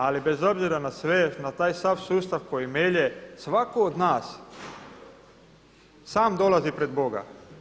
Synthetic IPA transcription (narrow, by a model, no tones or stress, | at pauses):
alibe̞zo̞bziɾanasʋenat̪aːjst̪aʋsuːst̪aʋko̞jimeʎesʋakood̪naːs | saːmd̪o̞lazipɾe̞d̪bo̞ɡa̰